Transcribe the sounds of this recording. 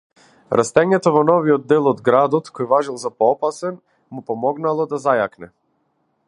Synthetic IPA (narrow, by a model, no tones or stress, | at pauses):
ɾʔa̰st̪ɛɲɛt̪ɔvɔnɔviɔd̪̚ːɛlˠɔd̪ɡɾad̪ɔt̪kɔjvaʒilˠzapɔɔpasɛn | mupɔmɔɡnalˠɔd̪azajaknɛ